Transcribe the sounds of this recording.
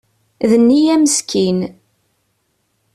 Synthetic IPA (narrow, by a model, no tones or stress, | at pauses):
ðənːijæməskʰin